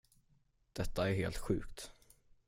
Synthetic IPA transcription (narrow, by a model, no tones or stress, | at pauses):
d̪̥ɛt̪ːaæɾɦḛːlt̪ɧʉ̟ːkt̪